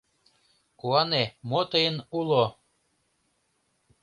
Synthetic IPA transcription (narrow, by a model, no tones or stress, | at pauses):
kuɑnemot̪əjənulo